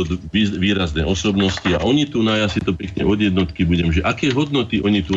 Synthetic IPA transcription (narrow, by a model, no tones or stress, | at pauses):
ɔd̪iʋiːɾaznɛ̰ʔɔsɔbnɔscia̰ʔɔɲit̪unajasit̪ɔpɛkɲɛ̰ʔɔd̪jɛd̪nɔt̪kibuɟɛmʒɛʔakɛːɦɔd̪nɔt̪iʔɔɲit̪u